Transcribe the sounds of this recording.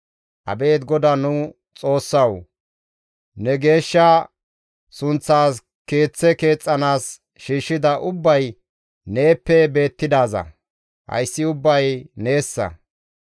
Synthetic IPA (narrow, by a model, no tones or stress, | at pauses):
ʔɐ̰be̞ːt̪ɡɔd̪anʊ | t͡sʼo̞ːsːɐw | nɛɡe̞ːʃːɐ | sʊnt͡sːaːs | ke̞ːt͡sːɛke̞ːt͡sʼːɐnaːs | ʃiːʃːɪd̪ɐʔʊbːɐj | ne̞ːpːɛbe̞ːt̪ːɪd̪aːzɐ̰ | hɐ̰jsːɪʊbːɐjne̞ːsːɐ̰